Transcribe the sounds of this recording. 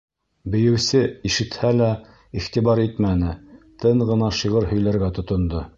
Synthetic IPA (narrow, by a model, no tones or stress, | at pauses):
bɘ̆jɘ̆wsɘiʃɘ̆t̪hælæ | iχt̪ibɑɾit̪mænɘt̪ɤɴʁɤ̆nɑʃiʁɤɾhɵ̆jlæɾɡæt̪ŏt̪ŏnd̪o